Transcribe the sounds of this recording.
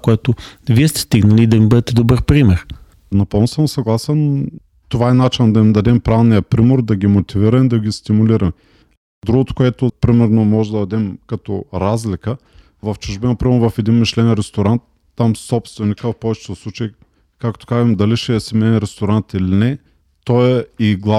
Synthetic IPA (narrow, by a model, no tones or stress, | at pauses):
koɛt̪ʊviɛst̪ɛ̥st̪iɡnəliːd̪ɐmibɤd̪ɛt̪ɛd̪obɤɾpɾimɛɾ | nɐpɤlˠnosəmsɐɡlˠasɛn | t̪ovaɛnat͡ʃinɐd̪ɐimd̪ɐd̪ɛmpɾanijəpɾimoɾd̪ɐɡʲimot̪iviɾɐmd̪ɐɡʲist̪imʊliɾɐm | d̪ɾuɡʊt̪ʊ̥koɛt̪ʊpɾimɛɾnomɔʒɛd̪ɐd̪ɐd̪ɛmkɐt̪o̰ɾazlikə | vɐft͡ʃʊʒbɛnɐpɾimɛɾnovɐfɛd̪inmiʃlɛnɾɛst̪oɾant̪ːamsɔpst̪vɛnikəɐfpɔvɛt͡ʃɛ̥t̪oslˠut͡ʃɐi | kakt̪o̥kazɐmd̪ɐliʃɛɛsɛmɛnɛnɾɛst̪oɾant̪ilinɛ | t̪ɔɛiɡlˠa